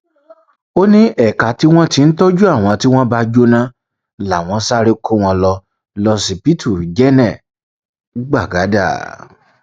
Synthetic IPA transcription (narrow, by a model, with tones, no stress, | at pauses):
o˦nĩ˦ʔɛ˦˨ka˨ti˦w̃ɔ̃˦ti˧n̩˦tɔ˦d͡ʒu˦a˦˨w̃ɔ̃˨˧ti˦w̃ɔ̃˦ba˧d͡ʒo˦nã˦ | la˨w̃ɔ̃˧˦sa˦ɾi˦kʰo˦w̃ɔ̃˧lɔ˧ | lɔ˧si˧pi˦tʰu˦˨ɾd͡ʒɛ˦nɛ̃˦˨˦ | ɡ͡ba˦˨ɡa˨˦da̰˦˨